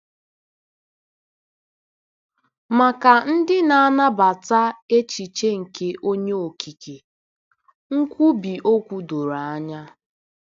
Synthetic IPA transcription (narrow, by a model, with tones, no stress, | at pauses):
ma˨ka˨n̩˦dɪ˦na˨a˦na˦ba˨ta˦e˦t͡ʃi˨t͡ʃe˦ŋ̩˨ke˦ʔo˦ɲe˦o˨kʰi˨ke˨ | ŋ̩˦kʷu˦bi˨ʔo˦kʷu˦do˨ɾa˨a˦ɲa˦